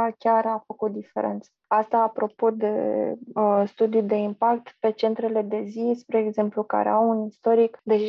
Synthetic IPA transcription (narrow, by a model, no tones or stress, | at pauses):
alkʲaɾafəkut̪̚d̪ife̞̰ɾe̞̰nt̪səast̪aːpɾo̞po̞d̪e̞̰ | st̪ud̪ijud̪e̞impakt̪pe̞t͡ʃe̞nt̪ɾe̞le̞d̪e̞zispɾe̞ːɡze̞mpluka̰ɾḛawunist̪o̞ɾikd̪e̞ʒ